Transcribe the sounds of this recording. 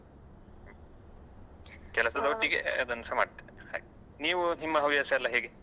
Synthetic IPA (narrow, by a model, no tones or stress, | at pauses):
kɛlɐsɐd̪oʈːiɡeɐd̪ɐnːɐsɐma̰ːɖt̪ːe̥ha̰ːɡ | niːʋuɦimːɐɦɐʋiɐseɐlːɐɦeːɡe